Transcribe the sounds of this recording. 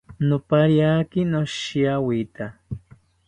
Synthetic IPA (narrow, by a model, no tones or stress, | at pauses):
nʊpaɾjakinoʃiawit̪a